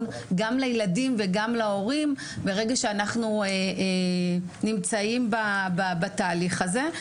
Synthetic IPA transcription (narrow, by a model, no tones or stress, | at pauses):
n | ɡamlajladimveɡamlao̞ʁim | beʁe̞ɡaʃeanaχnueʔnimt͡saimbababat̪aːliχaze̞